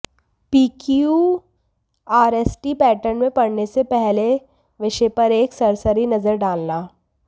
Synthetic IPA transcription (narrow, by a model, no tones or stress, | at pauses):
piːkiu | aːɾeːsʈipɛːʈəɾnmẽpɐɽnesepɛɦle | ʋɪʃepɐɾeːksɐɾsəɾinɐzəɾɖaːlnaː